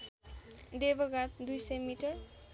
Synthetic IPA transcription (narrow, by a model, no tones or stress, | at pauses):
d̪ebʌɡat̪̚d̪ujsʌjmiʈʌr